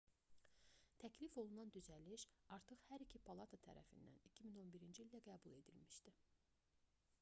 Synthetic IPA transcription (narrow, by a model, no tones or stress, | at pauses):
t̪ʰæcʰlifo̞lˠunɑnd̪yzælːiʃɑɾt̪ʰɯχhæɾicʰipʰɑlˠɑt̪ʰɑt̪ʰæ̰ɾæ̰fḭnd̪æ̰nicʰimino̞nbiɾind͡ʒiilʲd̪æɡæːbulˠe̞d̪ḭlmiʃd̪i